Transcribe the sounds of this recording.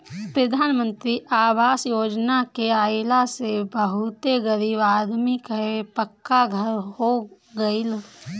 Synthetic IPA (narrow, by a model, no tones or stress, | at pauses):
pɾəd̪ʱaːnmə̃nt̪ɾiʔaːʋaːsjoːd͡ʒnakeaːɪlasebəɦʊt̪eɡəɾibaːd̪mikəepəkːaɡʱəɾɦo | ɡəɪl